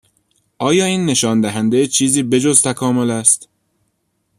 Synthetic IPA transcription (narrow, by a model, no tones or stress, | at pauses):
ʔɒːjɒːiːnːe̞ʃɒːnd̪æɦænd̪ejet͡ʃʰiːziːbe̞d͡ʒozt̪ʰækʰɒːmo̞læst̪